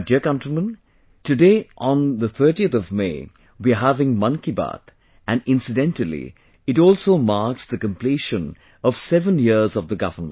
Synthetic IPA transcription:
diəkʌ̃ntɹəmə̃n | tɨdeɪʔɔ̃nðət̪ʰɜ˞ʈiət̪ɔvmḛɪ | wiəɦævɪ̃ŋmʌ̃nkibæ̰t̪ | æ̃nɪ̃nsɨdɛ̃ntəlḭ | ɪtɔːlˠsoːmaɹksd̪əkə̃mpliʃə̃n | ɔv̥sɛvə̃njɪzɔvðəɡʌvə˞mə̰̃n

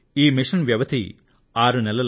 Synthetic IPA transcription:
iːmiʂɐnʋjɐʋɐt̪ʰḭ | aːɾunɛlɐl

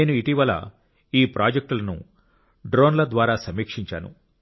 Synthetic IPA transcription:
neːnuiʈiʋɐlɐ̰ | iːpɾaːd͡ʒek̚ʈulɐnṵ | ɖɾo̞ːnlɐd̪ʋaːɾaːsɐmiːkʂiɲt͡ʃa̰ːnṵ

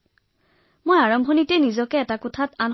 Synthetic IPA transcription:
mojaɹɔmbʱɔnitɛnizɔkɛːtakʊtʰatan

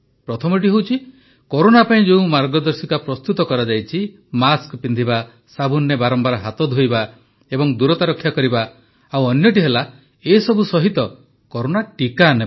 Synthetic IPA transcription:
pɾɔt̪ʰɔmɔʈ̬iɦewt͡ʃʰi | koɾonapaĩd͡ʒeũmaɾɡɔd̪ɔɾsikapɾɔst̪ut̪ɔkɔɾad͡ʒajt͡ʃʰi | maskɔpind̪ʱiba | sabunːebaɾɔmbaɾɔɦat̪ɔd̪ʱɦojba | ebɔŋd̪uɾɔt̪aɾɔkʰːjakɔɾiba | awɔnjɔʈ̬iɦela | esɔbusɔɦit̪ɔ | kɔɾonaʈikane

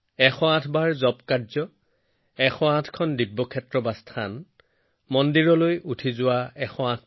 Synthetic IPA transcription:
ɛxʰɔãtʰbaɹzɔpkaɹzɔ | ɛxʰɔãtʰkʰɔndibːɔkʰɛtɹɔbastʰan | mɔndiɹɔlojʔutʰizʊwaɛxɔãtʰ

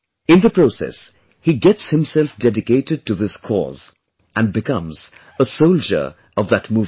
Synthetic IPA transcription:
ɪ̃nðəpɹ̥osɛ̰s | hiɡɛtshɪ̃msɛlfdɛdɪkeɪɾɨd̚tɨðɪskʰɔ̰z | æ̃nbɨkʌ̃mz̥ | əsoʊld͡ʒə̰˞ | ʌvðətmuːv

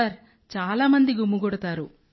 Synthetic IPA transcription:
ɐɾ | t͡ʃaːlaːmɐnd̪iɡumːuɡɔɽɐt̪aːɾu

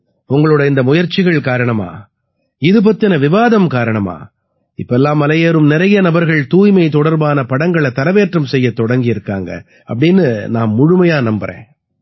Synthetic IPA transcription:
ʊŋɡɐɭɯːɽɐɪnd̪ɐmʊjɐɾt͡ʃːɪɣɐɭkaːɾɐɳɐma̰ː | ɪðɯp̬ɐt̪ːɪnɐʋɪʋaːðɐmkaːɾɐɳɐma̰ː | ɪpːɐɛlːaːmːɐlɐjeːɾɯmnɪɾɐjɐnɐbɐɾɣɐɭt̪uːjmɐɪt̪ɔɽɐɾbaːnɐpɐɽɐŋɡɐɭɛt̪ɐɾɐʋeːʈrɯmsɛjːɐt̪ːɔɽɐŋɡɪjɪɾɯkːaːŋɡɐ̰ | ɐpːɐɽɪnːɯnaːmːʊɻʊmɐjaːnɐmbɐɾḛ̃ː

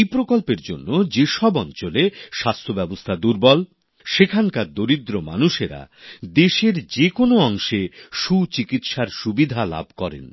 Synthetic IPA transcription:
ejpɾokolpeɾd͡ʑo̰nːod͡ʑeʃɔbɔnt͡ɕoleʃast̪ʰobɛbost̪ʰad̪uɾbɔl | ʃekʰaŋkaɾd̪oɾid̪ɾoma̰nuʃeɾa̰ | d̪eʃeɾd͡ʑekonoɔŋʃeʃut͡ɕikit̪ʃaɾʃubid̪ʱala̰bʱkɔɾḛn

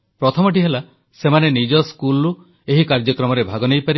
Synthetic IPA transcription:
pɾɔt̪ʰɔmɔʈiɦela | semanenid͡ʒɔskulu | eɦikaɾd͡ʒɔkɾɔmɔɾebʱaɡɔnejpaɾi

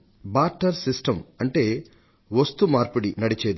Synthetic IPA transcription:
baːɾʈːɐɾsisʈɐmɐɳʈe̞ː | ʋɐst̪umaːɾpuɽinɐɽit͡ʃeːd̪i

